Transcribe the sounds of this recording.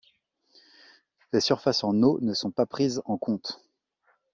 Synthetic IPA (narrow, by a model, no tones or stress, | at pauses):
lesyʁfasɑ̃nonəsɔ̃papχizɑ̃kɔ̃t̪